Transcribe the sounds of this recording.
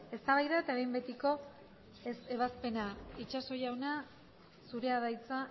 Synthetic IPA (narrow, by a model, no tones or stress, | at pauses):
e̞st̪aβajðaet̪aeβejmbe̞t̪iko̞ | ese̞β̞aspe̞nait͡ʃaso̞jawna | suɾe̞aðajt͡sa